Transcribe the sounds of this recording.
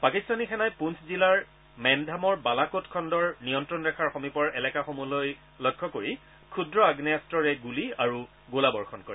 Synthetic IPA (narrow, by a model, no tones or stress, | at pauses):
pakistʰanixɛnajpunszilaɹ | mɛndʱamɔɹbalakotkʰɔndɔɹnijɔntɹɔnɹɛkʰaɹxomipɔɹɛlɛkaxomuloj | lɔjkʰːɔkoɹi | kʰudɹɔaɡnijastɹɔɹɛɡuliaɹu | ɡolabɔɹxʰɔnkɔɹɛ